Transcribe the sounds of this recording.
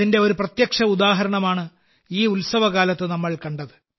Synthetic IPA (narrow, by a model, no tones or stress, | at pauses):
inde̞o̞ɾuprɐt̪jɐkʂɐud̪aːɦɐɾɐɳɐmaːɳɨ | iːulsɐʋɐɣaːlɐt̪ːɨnɐmːɐɭkɐɳɖɐðɨ